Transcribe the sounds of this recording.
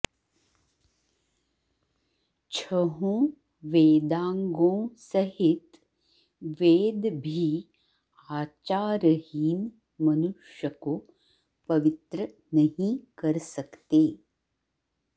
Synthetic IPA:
t͡ʃʰəɦõː | ʋeːd̪ãːŋɡõːsɐɦɪt̪ | ʋeːd̪bʱi | aːt͡ʃaːɾəhiːn | mɐnʊʃjəko | pɐʋɪt̪ɾə | nɐɦĩkɐɾsɐkt̪eː

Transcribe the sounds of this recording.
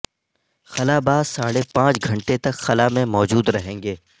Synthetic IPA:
xɐlabaːzsaːɽepãːt͡ʃɡʱɐ̃ɳʈet̪ɐkxɐlamẽmɔːd͡ʒuːd̪ɾɐɦẽːŋɡeː

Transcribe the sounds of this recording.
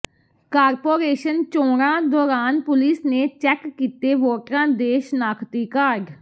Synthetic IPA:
kaːɾpoːɾeːʃənt͡ʃoːɾãːd̪ɔːɾaːnpʊlisneːt͡ʃɛːkːiːt̪eːʋoːʈɾãːd̪eːʃnaːkʰt̪iːkaːɾɖ

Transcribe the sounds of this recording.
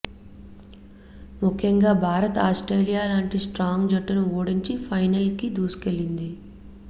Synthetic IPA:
mukʰːjɐŋɡaːbʱaːɾɐt̪aːsʈɾeːlijaːlaːɳʈisʈɾaːŋɡd͡ʒɐʈːunuoːɽiɲt͡ʃipʰɐjnɐlkid̪uːsu̥kelːind̪i

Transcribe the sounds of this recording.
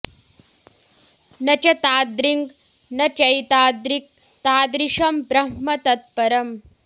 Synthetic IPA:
nɐt͡ʃɐt̪aːd̪ɾiŋɡ | nɐt͡ʃɐjt̪aːd̪ɾik̚ | t̪aːd̪ɾiʂɐmpɾɐɦmɐt̪ɐt̪̚pɐɾɐm

